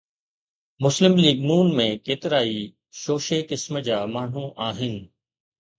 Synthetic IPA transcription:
mʊslɪmliːɡnuːnmẽːkeːt̪ɪɾaːi | ʃoːʃeːkɪsməd͡ʑaːmaːɳ̤uʔaːɦɪnɪ̆

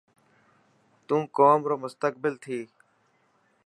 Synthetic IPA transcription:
t̪ũːkoːmɾoːmʊst̪ək̚bɪlt̪ʰiː

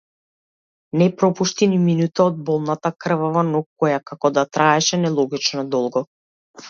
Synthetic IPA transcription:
nɛpɾɔpuʃt̪iniminut̪aɔd̪̚bɔlˠnat̪akr̩vavanɔkːɔjakakɔd̪at̪ɾʔaɛʃɛnɛlˠɔɡit͡ʃnɔd̪ɔlˠɡɔ

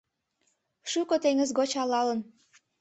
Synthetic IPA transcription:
ʃukot̪eŋəzɣot͡ɕɑlɑlən

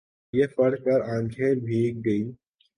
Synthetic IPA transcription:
jefɐɽkɐɾãːŋkʰebʱiːk̚ɡɐiː

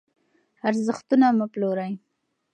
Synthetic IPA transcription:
aɾzəxt̪unaməploɾaj

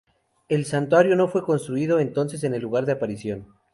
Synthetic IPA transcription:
e̞lsant̪waɾjo̞no̞fwe̞ko̞nst̪ɾuiðo̞ent̪o̞nse̞s̬e̞ne̞lːuɣ̞aɾðeapaɾisjo̞n

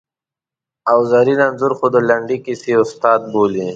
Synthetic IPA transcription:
awzaɾilanzuɾxod̪əlaɳɖikisiʊst̪ɑːd̪̚boːli

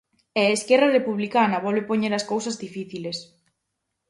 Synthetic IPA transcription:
ɛeskɛrɐrepuβlikanɐβɔlβepoɲeɾɐskowsɐzðifiθiles

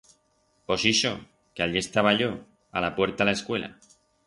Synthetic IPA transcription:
osiʃo | keaʎie̞st̪aβ̞aʎo | a̰lapwe̞ɾt̪alaeskwe̞lʔa̰

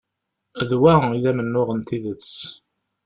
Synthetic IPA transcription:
ðwæilæmənːʊʁənt̪iðət͡sː

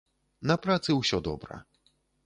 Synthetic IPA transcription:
napɾat̪sɨwɕɔd̪ɔ̰bɾɐ̰

